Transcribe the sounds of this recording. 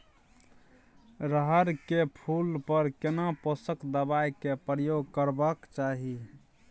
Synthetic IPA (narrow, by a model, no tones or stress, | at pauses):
ɾəɦəɾkepʰulpəɾkenaposəkd̪əbajkepɾəjoɡkəɾbakt͡ʃaɦi